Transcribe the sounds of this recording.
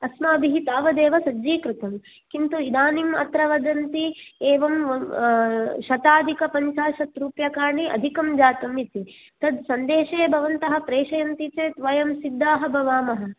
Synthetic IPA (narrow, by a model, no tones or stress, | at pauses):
ɐsmɐːbʱiɦit̪aːʋɐd̪eːʋɐsɐd͡ʒiːkɾut̪ɐm | kint̪uid̪aːnimɐ̰t̪ɾɐʋɐd̪ɐnt̪ieːʋɐmɐ | ʃɐt̪aːd̪ʱikɐpɐnʃaːʃɐt̪ɾuːpjɐkaːɾɳiʔɐ̰d̪ʱikɐmd͡ʒaːt̪ɐmit̪i | t̪ɐd̪sɐnd̪eːʃeːbʱɐʋɐnt̪ɐɦɐ̆pɾeːʃɐjɐnt̪it͡ʃeːt̪ʋɐjɐmsid̪ːaːɦɐbʱɐʋaːmɐɦɐ̆